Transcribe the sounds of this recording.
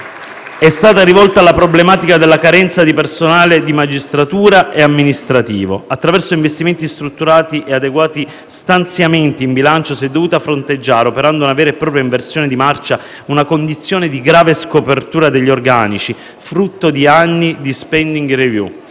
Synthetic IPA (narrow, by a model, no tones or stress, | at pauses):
ɛst̪aːt̪aɾivɔlt̪alːapɾoblemaːt̪ikad̪elːakaɾɛnt̪sad̪ipersonaːled̪imad͡ʒist̪ɾat̪uːɾaʔeamːinist̪ɾat̪ḭːvo̰at̪ːɾavɛrsoiɱvest̪iment̪ist̪ɾut̪ːuɾaːt̪iʔead̪eɡwaːt̪i | st̪ant̪sjament̪iːmbilant͡ʃosɛd̪ːovuːt̪afɾont̪ed͡ʒːaːɾeopeɾand̪ounavɛːɾeepːɾɔːpɾjaiɱversjoːned̪imart͡ʃa | unakond̪it̪sːjoːned̪iɡɾaːveskopert̪uːɾad̪eʎːiorɡaːnit͡ʃi | fɾut̪ːod̪ianːid̪ispɛnd̪iŋɡrevjṵ